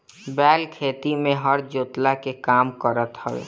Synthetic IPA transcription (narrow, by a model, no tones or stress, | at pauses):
bɛːlkʰeːt̪imẽɦəɾd͡ʒoːt̪lakekaːmkəɾət̪həʋḛː